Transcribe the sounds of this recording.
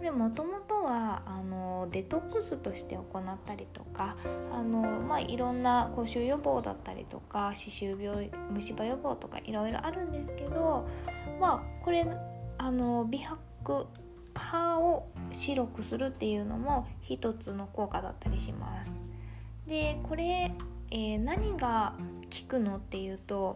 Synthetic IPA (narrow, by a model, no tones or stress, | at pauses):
ko̞ɾe̞mo̞t̪o̞mo̞t̪o̞βaːno̞d̪e̞t̪o̞kːɯ̟sɨt̪o̞ɕi̥t̪e̞o̞ko̞nat̪ːaɾʲit̪o̞kaːno̞maʔiɾõ̞nːako̞ɕɨːjo̞bo̞ːd̪a̰t̪ːa̰ɾʲḭt̪o̞̰kaɕiɕɨːbʲjo̞ːmɯ̟ɕibajo̞bo̞ːt̪o̞ka̰ʔiɾo̞iɾo̞̰ʔaɾɯ̟̃nd̪e̞sɨ̥ke̞d̪o̞mako̞ɾe̞ano̞bʲihakːɯ̟ | haoɕiɾo̞kɯ̟sɨɾɯ̟t̪ːe̞jɯ̟ːno̞̰mo̞çit̪o̞t͡sɨno̞ko̞ːkad̪a̰t̪ːaɾʲiɕima̰sɨ̥ | d̪e̞ko̞ɾe̞enaɲ̟iɡa | kʲi̥kɯ̟no̞t̪ːe̞jɯ̟ːt̪o̞